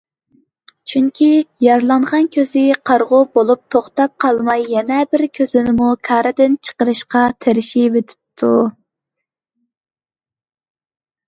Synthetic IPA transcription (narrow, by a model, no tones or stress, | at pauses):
t͡ʃʰyŋkʲʰijɑɾlˠɑnʁɑnkʲʰøzɪqʰɑɾʁʊbolˠup̚t̪ʰoχt̪ɑp̚qʰɑlˠmɑjːɛnɛbɪɾkʲʰøz̥ɪnɪmukʰɑːɾɨd̪ɪnt͡ʃʰə̥qəɾɨʃqɑt̪ʰeɾɪʃivet̪ʰɪ̥p̚t̪ʰu